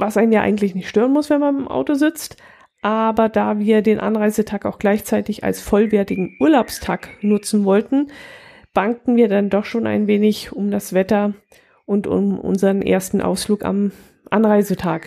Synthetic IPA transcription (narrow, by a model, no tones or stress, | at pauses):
vasʔaɪnənjaːʔa̰ɪɡŋ̩tlɪçnɪçtʃtøːʁənmʊsv̥ɛnmanɪmʔa̰ʊtozɪt͡st | ʔaːbɐdaːviːɐdeːnʔa̰nʁaɪzətʰaːkaʊxɡ̥laɪçt͡saɪtɪça̰lsfɔlvɛːɐtɪɡŋ̩ʔuːɐlaʊpstʰaːknʊt͡sn̩vɔltn̩ | b̥aŋtn̩viːɐdandɔχʃoːnʔa̰ɪnveːnɪçʊmdasv̥ɛtɐ | ʔʊntʊ̰mʔʊ̰nzəʁənʔḛːɐstn̩ʔa̰ʊsfluːka̰m | ʔanʁaɪzətʰaːk